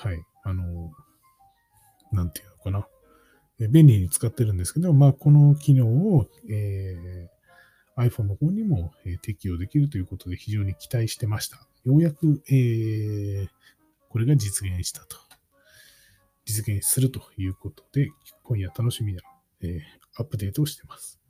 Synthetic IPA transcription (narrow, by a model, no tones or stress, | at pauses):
hai | ano̞ | nãnt̪ejɯ̟no̞kana | eːbẽ̞nʲiɲ̟it͡sɨ̥kat̪ːe̞ɾɯ̟̃nd̪e̞sɨ̥ke̞d̪o̞maːko̞no̞kʲino̞ːoeː | aiɸõ̞nːo̞hõ̞ːɲ̟ːimo̞eːt̪e̞kʲio̞d̪e̞kʲiɾɯ̟t̪ojɯ̟ko̞t̪o̞d̪e̞çiʑo̞ːɲ̟ikʲi̥t̪aiɕi̥t̪e̞maɕi̥t̪ḁ | jo̞ːjakɯ̟e | ko̞ɾe̞ɡad͡ʑit͡sɨɡẽ̞ɰ̃ɕi̥t̪ḁt̪o̥ | d͡ʑit͡sɨɡẽ̞ɰ̃sɨɾɯ̟t̪o̞̥jɯ̟ːko̞t̪o̥d̪̥e̞ko̞ijat̪ano̞ɕimʲina | eː | apːɯ̟d̪e̞ːt̪oːɕi̥t̪e̞masɨ̥